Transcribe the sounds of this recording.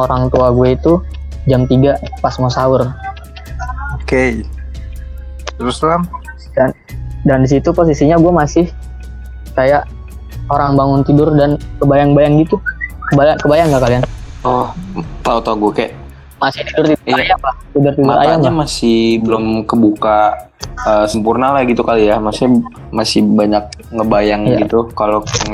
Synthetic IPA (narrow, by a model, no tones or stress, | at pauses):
oɾaŋt̪uaɡuait̪ud͡ʒamt̪iɡapasmosaʊr | oke | t̪əɾuslam | dan | dandis̬it̪upos̬isiɲaɡuamasɪh | kajaʔ | oɾaŋbaŋʊnt̪idʊrdankəbajaŋbajaŋɡit̪ukəbajaŋkəbajaŋɡaʔkalianɔht̪aut̪aɡuakajʔ | masɪht̪idʊrt̪idʊiajaŋlaht̪idʊrt̪idmʊaɾʔa̰jaŋamasɪhbəlʊmkəbuka | əsəmpurnalahɡit̪ukalijamasɪh | masɪhbaɲak̚ŋəbajaŋija̰ɡit̪ukalo